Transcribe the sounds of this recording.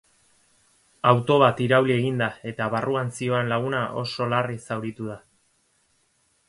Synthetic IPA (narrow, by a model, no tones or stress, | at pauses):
awt̪o̞β̞at̪iɾawlie̞ɣind̪ae̞t̪aβaruansio̞enlaɣ̞unaʔo̞̰so̞larisawɾit̪uð̞a